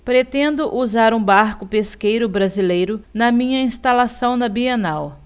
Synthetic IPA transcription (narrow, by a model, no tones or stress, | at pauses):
pɾet̪ẽnd̪ʊʔuzaɾũbaɾkʊpeskejɾʊbɾazilejɾʊnɐmĩɲɐĩst̪alasɐ̃w̃nɐbienaw